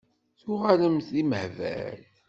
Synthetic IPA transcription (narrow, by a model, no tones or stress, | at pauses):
θʊʁaləmθiməhvæ̰ɾ